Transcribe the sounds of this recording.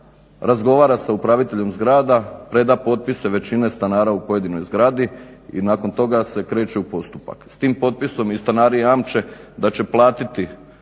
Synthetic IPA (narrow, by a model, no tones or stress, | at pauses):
ɾazɡo̞ʋaːɾasaupɾaʋit̪e̞ʎe̞mzɡɾaːd̪apɾe̞d̪apo̞t̪̚pise̞ʋe̞t͡ɕinest̪anaːɾaupo̞je̞d̪ino̞jzɡɾad̪iḭnaːko̞nt̪o̞ɡase̞kɾe̞ːt͡ʃeupo̞st̪upa̰kst̪iːmpo̞t̪̚piso̞mist̪anaːɾiaːmt͡ʃe̞d̪at͡ɕe̞plˠaːt̪it̪i